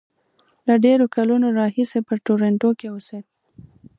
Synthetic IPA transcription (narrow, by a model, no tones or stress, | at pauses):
laɖeɾokalunoɾɑhisepəʈoɾeɳʈokeose